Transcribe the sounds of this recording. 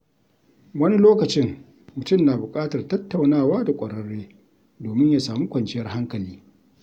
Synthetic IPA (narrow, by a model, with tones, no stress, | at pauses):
wɐ˦ni˦loː˦kɐ˨t͡ʃɪ˦ŋ | mʊ˨tʊ˦˨mnaː˨bʊ˨kʼaː˦tɐ˨rtɐ˦tːa˨wnaː˦˨waː˦da˨kʷʼɐ˨ɽɐ˦ɽeː˦ | doː˨mɪ˦ɲjaː˨saː˨muː˦kʷɐ˨nt͡ʃɪ˦jɐ˦rha˦ŋkɐ˨liː˦